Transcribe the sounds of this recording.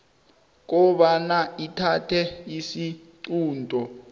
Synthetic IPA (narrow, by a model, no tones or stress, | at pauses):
k̬ɔɓanaitʰatʰɛisi | ǀuːndʱɔ